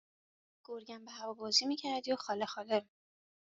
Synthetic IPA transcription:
ɡ̥oɾɡæmbeɦævɒːbɒːzimiːcʰæɾæd̪ijoxɒːlexɒːle

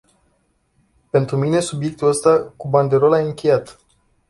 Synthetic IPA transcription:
pe̞nt̪ɾumine̞subje̞k̚t̪uləst̪akuband̪e̞ɾo̞lajɨŋkʲe̞jat̪

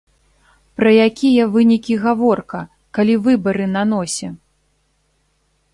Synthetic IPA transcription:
pɾɐjakʲijɐvɨnʲikʲiɣavɔrkɐ | kalʲivɨbɐɾɨnan̪ɔsʲɛ

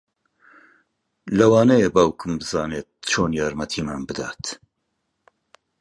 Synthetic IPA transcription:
lɐwɑːnɐjebaːwkʰɨmbɨzɑːneːt̪̚t͡ʃʰoːnjaːɾmɐt̪ʰiːmaːnbɨd̪aːt̪

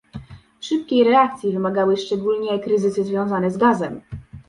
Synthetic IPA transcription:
ʂɘp̚kʲejɾɛakt̪sʲjivɘmaɡawɘʂt͡ʂɛɡulɲɛkɾɘzɘsɘzvʲjɔ̃w̃zanɛzɡazɛm

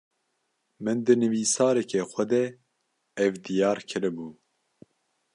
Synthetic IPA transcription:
mɨnd̪ɨnɨviːsɑːɾɛkɛxʷɛd̪ɛ | ɛvd̪ijɑːɾkʰɨɾɨbuː

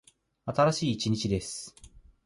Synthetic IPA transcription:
at̪aɾaɕiːt͡ɕiɲ̟it͡ɕid̪e̞sɨ̥

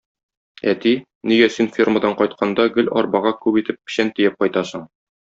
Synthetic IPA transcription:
æ̰t̪i | nijæsinfʲirmad̪ɑɴqɒjt̪̚qʰɑnd̪ɑɡɵlɒɾbɑʁɑkʉbit̪ɘp̚ːɘ̥̆ɕænt̪ijɘp̚qɒjt̪ɑsɤ̆ɴ

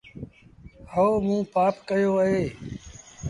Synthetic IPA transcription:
həoːmũːpaːpkəjoːəɦeː

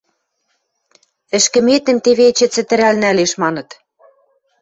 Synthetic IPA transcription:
ɘ̆ʃkɘ̆met̪ɘ̆mt̪eβet͡ɕɘ̆t͡sɘ̆t̪ɘ̆ɾælnæleʃmɑnɤ̆t̪

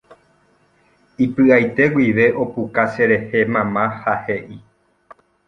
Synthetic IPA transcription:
ipɨajt̪e̞ɡwiʋe̞ʔo̞pukase̞ɾe̞he̞mãmãhaheʔi

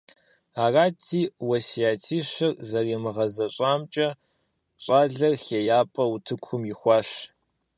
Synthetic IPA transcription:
aːraːtʰiːwɐsijaːtʰiːɕɐrzɐreːmɨʁɐzɐɕʼaːmt͡ʃʼɐ | ɕʼaːɮɐrxeːjaːpʼɐutʰɨkʷʰʊmjɪxʷɑːɕ

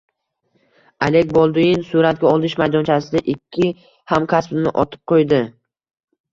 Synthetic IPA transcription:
ale̞k̚ʲbɒlˠd̪ʊjɪnsuɾat̪̚ɡʲaɒlˠd̪ɪʃmajd̪ɒnt͡ʃʰasɪd̪aʔɪkʲʰːɪ | hamkʲʰaspnɪʔɒ̰t̪ʰɪ̥p̚qʰojd̪ɪ

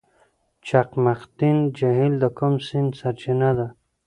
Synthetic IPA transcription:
t͡ʃaqmaqt̪ind͡ʒaɦild̪əkumsind̪saɾt͡ʃinad̪a

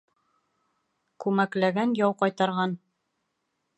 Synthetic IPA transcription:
kʉmæklæɡænjɑwqɑjt̪ɑɾʁɑn

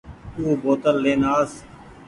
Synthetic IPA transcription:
t̪uːboːt̪əlːeːnaːs

